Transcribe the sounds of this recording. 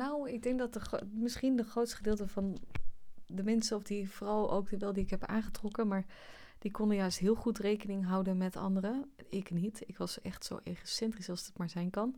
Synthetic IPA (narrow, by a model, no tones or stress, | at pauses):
nawɪɡ̚dɛŋk̚dɑtəmɪsχindəχrowtstə̥χədɪːlˠtəvɑn | dəmɛnsəɔfdivrɑwʔo̰wk̚dəʋɛlˠdiɪkɦɛpa̰ːnχətrɔkəmaːɹ | d̥ikɔndəjœɥstɦɪːlˠχutrejkənɪŋɦɑwdənmɛtɑ̰ndərəɪknitɪkʋɑsʔɛχtso̰wʔeχosɛntrisɑlˠsdɑtmaːɹzɛjnkɑn